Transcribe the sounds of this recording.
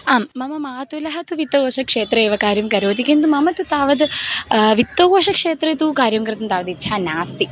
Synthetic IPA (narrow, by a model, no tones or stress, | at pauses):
aːmːɐmɐmaːt̪ulɐɦɐt̪uʋit̪ːoːʋɐʂɐkʂeːt̪ɾɐeːʋɐkaːɾjɐmkɐɾoːt̪ikint̪umɐmɐt̪ut̪aːʋɐd̪ | ʋit̪ːoːɐʂɐkʂeːt̪ɾɐt̪ukaːɾjɐmkɾɨt̪ɐmt̪aːʋɐd̪itːʃʰaːnaːst̪i